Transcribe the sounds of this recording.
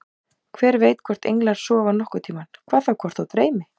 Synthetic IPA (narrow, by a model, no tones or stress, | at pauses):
kʰvɛːɾveːjt̪kʰvɔr̥t̪ḛjŋklaɾ̥sɔːvanɔhkʏt̪ʰiːmankʰvaːðθawkʰvɔr̥t̪θawt̪ɾeːjmɪ